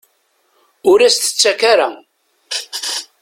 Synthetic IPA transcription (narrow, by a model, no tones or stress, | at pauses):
ʊɾæst̪ə̥t͡sːækaɾa